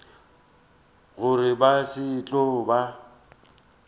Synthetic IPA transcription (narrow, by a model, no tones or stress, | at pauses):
ɣʊrɪbasɪt͡ɬʼɔba